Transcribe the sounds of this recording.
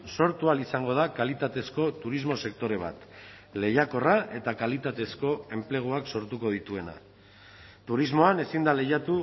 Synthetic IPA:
so̞ɾt̪ualisaŋɡo̞ð̞akalit̪at̪e̞sko̞t̪uɾizmo̞se̞k̚t̪o̞ɾe̞β̞a̰t̪ | le̞jako̞raʔe̞t̪akalit̪at̪e̞sko̞e̞mple̞ɣ̞uakso̞ɾt̪uko̞ð̞it̪ue̞na̰ | t̪uɾizmo̞ane̞sind̪ale̞jat̪u

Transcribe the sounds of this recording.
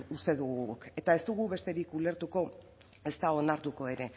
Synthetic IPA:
ust̪e̞ðuɣuke̞t̪ae̞st̪uɣ̞uβe̞st̪e̞ɾikule̞ɾt̪uko̞ | e̞st̪ao̞naɾt̪uko̞e̞ɾe̞

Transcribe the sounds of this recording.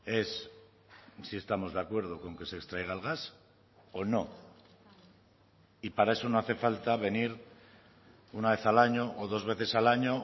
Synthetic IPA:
e̞sː | ie̞st̪amo̞zðeakwe̞ɾð̞o̞ko̞ŋke̞sekst̪ɾaeɣ̞aelɣ̞as | o̞no̞ | ipaɾae̞so̞noaθe̞falt̪aβe̞niɾ | unaβe̞θalaɲo̞ʔoðo̞zβe̞θe̞salaɲo̞

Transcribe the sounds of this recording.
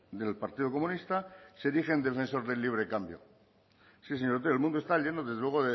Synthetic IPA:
d̪e̞lpaɾt̪iðoko̞mũnist̪aseɾixe̞nd̪e̞fe̞nso̞ɾðe̞lːiβ̞ɾe̞kambjo̰ | sis̬eɲo̞ɾt̪̬eelmũnd̪oest̪aʎe̞noðe̞zðelwe̞ɣoðe

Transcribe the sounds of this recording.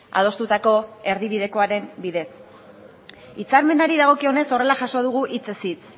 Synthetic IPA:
a̰ðo̞st̪ut̪ako̞e̞ɾðiβið̞e̞ko̞aɾe̞mbiðe̞s | it͡saɾme̞naɾiðaɣ̞o̞kio̞ne̞so̞re̞laʝaso̞ð̞uɣ̞uʔit͡se̞sit͡s

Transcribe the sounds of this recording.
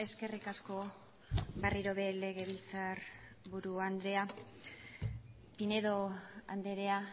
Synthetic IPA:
e̞ske̞rikasko̞ | ɡariɾo̞βe̞le̞ɣe̞βilt͡saɾ | βuɾuand̪ɾe̞a | pine̞ðo̞a̰nd̪eɾe̞a

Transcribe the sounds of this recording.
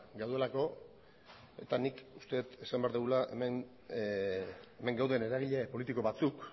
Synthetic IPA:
ɡawðue̞lako̞ | e̞t̪anikust̪e̞t̪e̞sambeaɾðuɣulaʔemen | eme̞ŋɡawðe̞ne̞ɾaɣ̞iʎe̞po̞lit̪iko̞βat͡suk

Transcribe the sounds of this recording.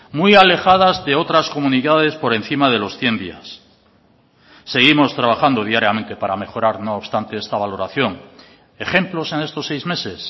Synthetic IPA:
mujale̞xað̞azðe̞o̞t̪ɾasko̞mũniðað̞e̞spo̞ɾe̞n̟θimaðe̞lo̞sθje̞nd̪ias | e̞ɣ̞imo̞st̪ɾaβ̞axand̪oð̞iaɾjame̞nt̪e̞paɾame̞xo̞ɾaɾno̞ːβst̪ant̪e̞est̪aβalo̞ɾaθjo̞ŋ | e̞xe̞mplo̞se̞ne̞st̪o̞sːejzme̞se̞s

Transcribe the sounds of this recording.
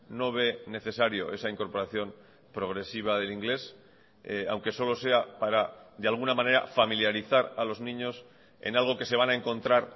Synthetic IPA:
no̞βe̞ne̞θe̞saɾjo̞ʔe̞saiŋko̞ɾpo̞ɾaθjo̞m | pɾo̞ɣ̞ɾe̞siβ̞aðe̞liŋɡle̞s | a̰wŋke̞so̞lo̞se̞apaɾad̪ealɣ̞unamãne̞ɾa̰familjaɾiθaɾalo̞znĩɲo̞s | e̞̰nalɣ̞o̞ke̞se̞β̞anaeŋko̞nt̪ɾaɾ

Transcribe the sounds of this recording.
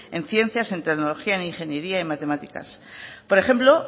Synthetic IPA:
e̞nθje̞n̟θjase̞nt̪e̞ɣnolo̞xiaeniŋxe̞njeɾiaimat̪e̞mat̪ika̰spo̞ɾe̞xe̞mplo̞

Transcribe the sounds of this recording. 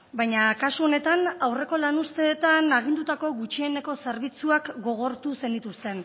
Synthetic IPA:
bajɲakasuo̞ne̞t̪anawre̞ko̞lanust̪e̞ːt̪anaɣ̞ind̪ut̪ako̞ɣut͡ʃiene̞ko̞seɾβ̞it͡suakɡo̞ɣ̞o̞ɾt̪use̞nd̪it̪ust̪e̞n

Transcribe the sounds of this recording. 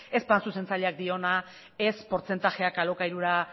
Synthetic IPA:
e̞spansuse̞nt͡saʎe̞ak̚d̪io̞na | e̞spo̞ɾt͡se̞nt̪axe̞akalo̞kajɾuɾa

